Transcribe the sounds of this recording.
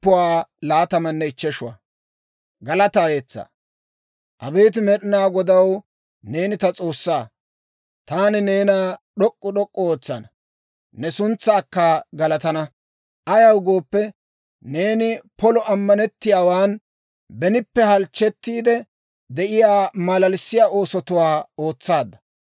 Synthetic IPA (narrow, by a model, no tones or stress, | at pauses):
pːʊwaːlaːt̪ɐmɐnːɛɪt͡ʃːɛʃʊwɐ̰ | ɡɐlɐt̪aːjeːt͡sːa̰ː | ʔɐbeːt̪̬ɪmɛɗɪnaːɡɔd̪ɐw | ne̞ːnɪt̪ɐt͡sʼo̞ːsːaː | t̪aːnɪne̞ːnaːɗɔkʼːʊɗɔkʼːɔoːt͡sːɐnɐ | nɛsʊnt͡sːɐːkːaːɡɐlɐt̪ɐnɐ | ʔɐjɐwɡoːpːɛ | ne̞ːnɪpɔlɔʔɐmːɐnɛt̪ːɪjaːwaːn | bɛnɪpːɛhɐlt͡ʃːɛt̪ːiːd̪ɛ | d̪ɛʔɪjaːmɐlɐlsːɪjaːʔo̞ːsɔt̪ʊwaːo̞ːt͡sːaːd̪ːɐ̥